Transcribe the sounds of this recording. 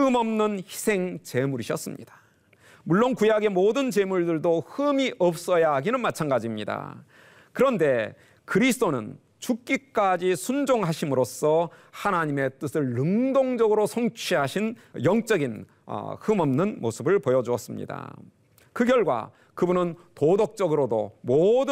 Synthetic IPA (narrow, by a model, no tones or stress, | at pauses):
ɯmʌmnɯnçi̥sʰe̞ŋt͡ɕe̞muɾiɕʰʌs͈ɯmɲḭd̥ḁ | muɭːonkujaɡe̞modɯnt͡ɕe̞muɭdɯɭdohɯmiʔʌp̚s͈ʌjaɦaɡinɯnmat͡ɕʰanɡad͡ʑimɲida̰ | kɯɾʌnde̞ | kɯɾisʰɯt͈onɯ̰n | t͡ɕuk͈ik͈ad͡ʑisʰund͡ʑoŋɦaɕʰimɯɾos͈ʰʌhanaɲime̞t͈ɯsʰɯɭːɯŋdoŋd͡ʑʌɡɯɾosʰʌŋt͡ɕʰiɦaɕʰinjʌŋt͡ɕ͈ʌɡin | ʌ̰hɯmʌmnɯnmosʰɯbɯɭpojʌd͡ʑuʌs͈ɯmɲḭda̰ | kɯɡjʌɭɡwa̰ | kɯbunɯntodok̚t͡ɕ͈ʌɡɯɾodomodɯ